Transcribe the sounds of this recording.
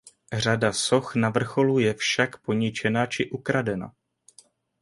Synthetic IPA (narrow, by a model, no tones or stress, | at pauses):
r̝adaso̞xnavr̩xo̞lujɛfʃakpo̞ɲɪt͡ʃɛnat͡ʃɪʔukɾadɛna̰